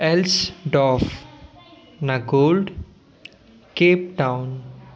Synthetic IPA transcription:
ɛlsɖɔːf | naɡoːlɖ | keːp̚ʈãʊ̃n

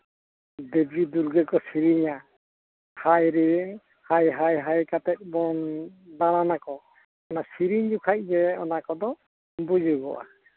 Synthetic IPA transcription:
d̪ebid̪uɾɡɛkɔsiɾiɲa | hajɾiɛŋ | hajɦajɦajkat̪ɛt̪̚ˀbɔnd̪ananakɔ | ɔnasiɾiɲd͡ʒukʰaʔ̚d͡ʒɛɔnakɔd̪ɔ | bud͡ʒuɡɔ̰ʔa̰

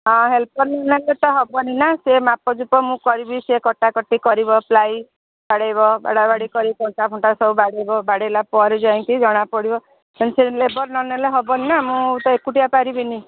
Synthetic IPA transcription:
ɔ̃ɦelpɔɾnɔnelet̪ɔɦɔbɔninasemapɔd͡ʒupɔmũkɔɾibisekɔʈakɔʈːikɔɾibɔplaj | baɽajbɔba̰ɽabaɽikɔɾikɔɳt̪abʰʱɔɳʈasɔubaɽejbɔbaɽelapɔɾid͡ʒaĩnt̪id͡ʒɔɽ̃apɔɽibɔ | anselebɔɾnɔneleɦɔbɔninamũt̪ɔekuʈiapaɾibini

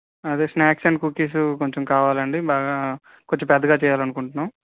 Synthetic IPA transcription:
ɐd̪eːsnjaːksɐnkuːkiːs̬uko̞ɲt͡ʃomkaːʋaːlɐɳɖibaːɡa | koɲt͡ʃːempɛd̪ɐɡaːt͡ʃɛːjaːlɐnukuɳʈunːaːm

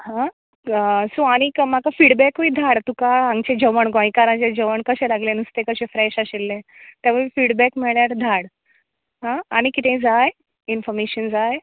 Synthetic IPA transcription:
hã | suaɽ̃ikmakafiɽbɛkʋiːd̪ʱaɽt̪ukaãŋɡt͡ɕed͡ʑəʋəɳɡɔ̃jkaɾãt͡ɕed͡ʑəʋəɳkəɕɛ̃laɡlẽnust̪ekəɕɛ̃fɾɛɕaɕilːẽt̪jaʋufiːɽbɛkmɛɭjaɾd̪ʱaɽ | ɦãːɽ̃ikit̪ẽd͡zaj | infɔɾmeɕənd͡zaj

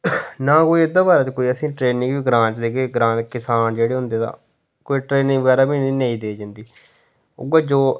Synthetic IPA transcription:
naːkoːiːɪd̪aːbaːɾaːt̪eːkoːiːəsĩːʈɾeːnɪ̃ŋɡʋiːɡɾãːt͡ʃd̪eːkeːɡɾãːkɪsaːnd͡ʒeːɽeːɦʊ̃nd̪eːt̪ã̰ː | koːiʈɾeːnĩːʋəɡɛːɾaːbiːniːneĩːd̪eːd͡ʒãːnd̪iː | ʊ̰ɡaːd͡ʒoː

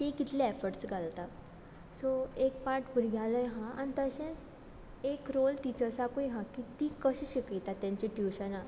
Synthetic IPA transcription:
t̪ekit̪lɛefəɾʈsɡʱalt̪a | soek̚paɾʈbuɾɡʱjaləjɦãʔa̰nit̪əɕẽt͡s | ekɾolt̪it͡ɕəsakojɦãkit̪ikəɕiɕikijt̪at̪ːjãɲt͡ɕiʈiʋɕana

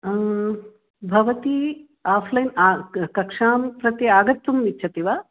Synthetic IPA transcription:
bʱɐʋɐt̪i | aːpʰlɐjnaːkɐkʂaːmpɾɐt̪iaːɡɐt̪ːumitːʃʰɐt̪iʋaː

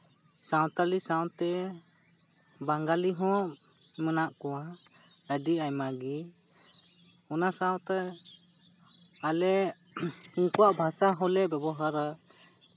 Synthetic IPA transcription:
saw̃t̪alisawt̪ɛ | baŋɡaliɦɔ̃ | mənaʔkɔwa | ədiajmaɡi | ɔnasawt̪ɛ | alɛ | uŋkɔwaʔbʱasaɦɔlɛbɛbɔɦaɾa

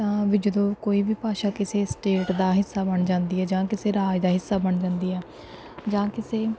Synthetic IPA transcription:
t̪ãːʋɪd͡ʒəd̪õːkoːiːbiːpaːʃaːkɪseːsʈeːʈd̪aːɦɪsːaːbəɳd͡ʒãːnd̪iːɦɛːd͡ʒãːkɪseːɾaːd͡ʒd̪aːɦɪsːaːbəɳd͡ʒãːnd̪iːɛː | d͡ʒãːkɪseː

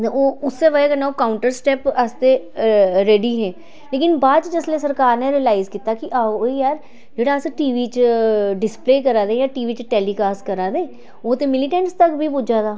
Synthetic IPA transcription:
oːʊsːeʋəekənaokaːʊ̃ɳʈəɾsʈɛːpəst̪e | ɾeːɖiɦɛ̃ː | leːkɪnbaːd̪t͡ʃd͡ʒeslesəɾkaːɾneɾilaːɪzkiːt̪akiʔaːijaːɾ | d͡ʒeːɽaːseʈiːʋit͡ʃɖɪspleːkəɾaːd̪ẽjaːʈiːʋiːt͡ʃʈɛːliːkaːskəɾaːd̪ẽː | oːt̪emɪlɪʈɛ̃ɳʈst̪ɐkbʱibʊd͡ʒaːd̪aː

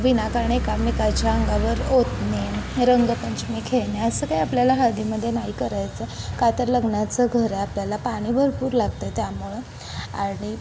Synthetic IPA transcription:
ʋinakaɾɳekamikat͡ɕaəŋɡaʋəɾot̪neɾəŋɡəpəɲt͡ɕmikʰeɭneəsəːkaiapljalaɦad̪iməd̪ʱːjenaikəɾajt͡səkat̪əɾləɡnat͡səɡʱəɾeapljalapaɽ̃iːbʱəɾpuːɾlaɡ̚t̪ət̪jamuɭə | aɽ̃i

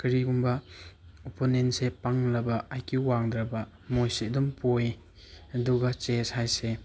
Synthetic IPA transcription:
kɐɾiɡumbɐoponensepaŋlɐbɐʔajkʰiwaŋdɾɐbɐ | mojsidumpoj | ɐduɡɐt͡ʃeshajse

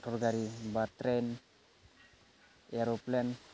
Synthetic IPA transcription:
tʰɔɾɡaɾibat̪ɾen | eɾoplen

